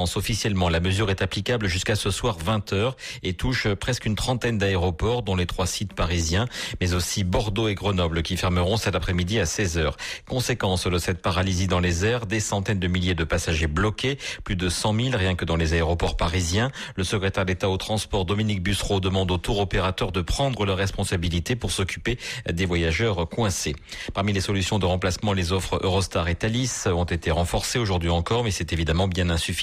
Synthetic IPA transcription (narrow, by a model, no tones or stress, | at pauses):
sɔfisjɛlmɑ̃laməzyʁɛt̪aplikablʒyskasəswaʁvɛ̃t̪œʁet̪uʃpχɛskynt̪χɑ̃t̪ɛnd̪aeʁɔpɔʁd̪ɔ̃let̪χwasit̪paʁizjɛ̃mɛzosibɔʁd̪oeɡʁənɔblkʲifɛʁməʁɔ̃sɛt̪apχɛmid̪iasɛzœːʁkɔ̃sekɑ̃sd̪əsɛt̪̚paʁalizid̪ɑ̃lezɛʁd̪esɑ̃t̪ɛnd̪əmiljed̪əpasaʒeblɔkʲeplyd̪əsɑ̃milʁjɛ̃kəd̪ɑ̃lezaeʁɔpɔʁpaʁizjɛ̃ləsəkχet̪ɛʁd̪et̪aot̪χɑ̃spɔʁd̪ɔminik̚bysχod̪əmɑ̃d̪ot̪uʁɔpeʁat̪œʁd̪əpχɑ̃d̪ʁəlaʁːɛspɔ̃sabilit̪epuʁsɔkʲy̥ped̪evwajaʒœʁkwɛ̃sepaʁmilesɔlysjɔ̃d̪əʁɑ̃plasmɑ̃lezɔfχø̰ʁɔst̪aʁet̪alisɔ̃t̪et̪eʁɑ̃fɔʁseoʒuʁd̪ɥiɑ̃kɔʁmɛsɛt̪evid̪amɑ̃bjɛ̃nɛ̃syfi̥